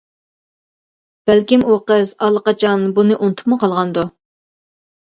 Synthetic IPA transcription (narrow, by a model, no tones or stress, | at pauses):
b̥ælkʲimoqəzɑlˠːəqɑt͡ʃʰɑnbunɨʔunt̪ʰʊ̥pmʊqʰɑlˠʁɑnd̪u